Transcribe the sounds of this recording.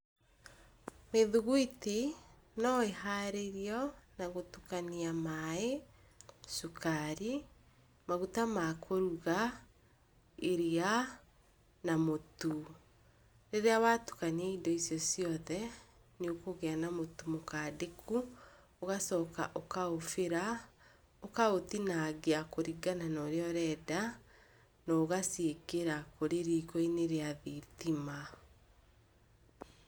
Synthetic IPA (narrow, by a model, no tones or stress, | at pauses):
meðuɣwiti | nɔeɦaɾeɾiɔnaɣotukaniamae | ʃukʰaɾi | maɣutamakʰoɾuɣa | eɾia | namotu | ɾeɾeawatu̥kaniaidɔisjɔsiɔðɛ | neokoɣeanamotumokaːdekʰu | oɣasɔːka̰ʔokaofeɾa | okaotinaɣeakoɾiɡananɔɾeɔɾɛːda | nɔoɣasekeɾakoɾeɾiːkɔineɾeaðetima